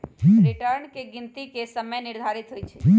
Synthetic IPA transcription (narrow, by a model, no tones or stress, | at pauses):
ɦɾɪʈəɾnkeɡɪnt̪ikesəməjnɪɾd̪ʱaɾit̪ɦojt͡ʃʰeɦ